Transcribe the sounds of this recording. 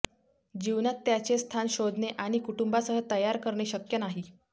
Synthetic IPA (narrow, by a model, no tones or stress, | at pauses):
d͡ʑiʋnat̪ːjat͡sest̪ʰanɕod̪neʔaɽ̃ikuʈumbasəɦət̪əjaɾkəɾɳeɕəkjənaɦiː